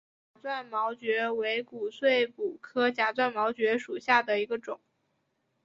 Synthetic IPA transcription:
t͡ɕa˨˩t͡swa˥˩nmɑ˧˥ʊt͡ɕɥɛ˧˥we˧˥ɪku˨˩swe˥˩ɪpu˨˩kʰɤ˥t͡ɕja˧˥˩t͡swa˥˩nmɑ˧˥ʊt͡ɕɥɛ˧˥ʂu˨˩ɕja˥˩d̪ə˩i˧˥ɡə˧ʈ͡ʂʊ˨˩˦ŋ

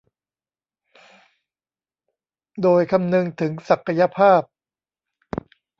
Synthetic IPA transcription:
doː˧jkʰa˧mnɯ˧ŋt̪ʰɯ˩˦ŋsa˨˩kʰːa˧ja˧pʰaː˥˩p̚

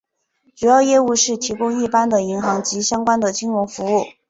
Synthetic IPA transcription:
ʈ͡ʂu˨˩jɑ˥˧ʊjɛ˥˧u˥˧ʂɻ̩˥˩t̪ʰi˧˥kʊ˥ŋi˥˩pa˥nd̪ə˨i˧˥ŋxɑ˧˥ŋt͡ɕi˧˥ɕjɑ˥ŋkwa˥nd̪ə˨t͡ɕi˥ŋɻʊ˧˥ŋfu˧˥u˥˩

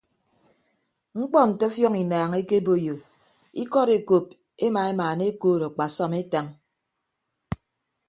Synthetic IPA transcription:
ŋ͡m̩˦k͡pɔ˦n̩˨te˦fjɔ˦ŋi˨naː˨ŋe˦ke˦bo˦˨jo˨ | ḭ˦kɔ˦ɾe˨ko˨p̚ | e˦ma˨e˦maː˨ne˦koː˦˨ɾɔ˨k͡pa˨sɔ˦me˦ta˨ŋ

